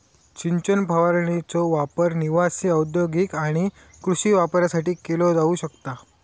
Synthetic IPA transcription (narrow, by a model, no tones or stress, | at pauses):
t͡ɕiɲt͡ɕənpəʋaɾɳit͡sɔʋapəɾniʋasiəwd̪joɡikaɽ̃i | kɾuɕiːʋapɾjasaʈiːkelɔd͡zauɕəkt̪a